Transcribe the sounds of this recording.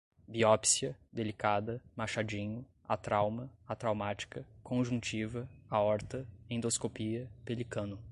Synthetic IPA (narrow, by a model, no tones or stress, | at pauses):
biɔpsiɐd̪elikad̪ɐmaʃad͡ʒĩɲʊ | at̪ɾawmɐat̪ɾawmat͡ʃi̥kɐkõʒũt͡ʃivɐaɔɾt̪ɐẽd̪oskopiɐpelikɐ̃nʊ